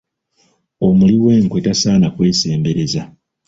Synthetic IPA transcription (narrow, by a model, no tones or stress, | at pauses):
o̞muliweːŋkwetasaːnakwe̞ːse̞ːmbe̞ɾe̞za